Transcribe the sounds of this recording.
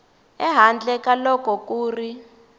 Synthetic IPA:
ɛɦand͡ɮɛkalɔkɔkuːri

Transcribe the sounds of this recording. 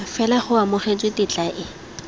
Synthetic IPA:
fɛlaχʊamʊχet͡sʼwɪtɪt͡ɬʼaʔɪ

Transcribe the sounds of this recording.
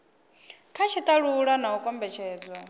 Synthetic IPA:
kʰat͡ʃʰit̪ʼaɺuɺanaukʼɔmbɛt͡ʃʰɛːd͡zwa

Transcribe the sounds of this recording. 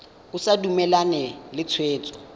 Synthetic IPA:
ʊsadumɛlanɛlɪt͡sʰweːt͡sʼɔ̥

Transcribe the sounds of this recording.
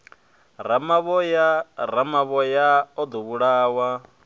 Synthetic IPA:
ɾamaβɔjaɾamaβɔjaɔd̪ɔβuɺaːwa

